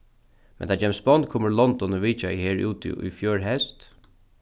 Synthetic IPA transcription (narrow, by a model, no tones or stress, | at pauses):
mɛnt̪ʰaːt͡ʃɛmsbɔnt̪kʰoːməɾlɔnd̪ɔnɔʋiːt͡ʃaiheːɹṵːt̪ʰɪ̰ṵjfjøːɹɦɛst̪